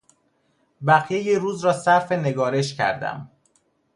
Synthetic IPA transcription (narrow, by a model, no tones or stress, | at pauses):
bæɣjejeɾuːzɾɒːsæɾfe̞ne̞ɡɒːɾe̞ʃcʰæ̰ɾd̪æ̰m